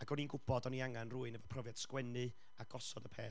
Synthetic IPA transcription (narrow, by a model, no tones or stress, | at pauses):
aɡɔninɡʊb̥ɔdɔniaŋanruːɨnəvəpʰrɔvjad̥skwɛnɨ | aɡ̥ɔsɔdəpʰḛː